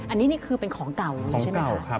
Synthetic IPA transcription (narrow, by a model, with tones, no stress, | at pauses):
ʔa˧nːiː˦˥niː˥˩kʰɯː˧pe˧nkʰɔː˩˦ŋka˨˩wːʰe˥˩mka˨˥˩wa˥kʰ